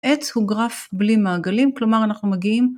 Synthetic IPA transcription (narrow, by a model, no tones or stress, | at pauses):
ʔet͡shuɡʁafblimaːɡalimklo̞maʁanaχnumeɡiim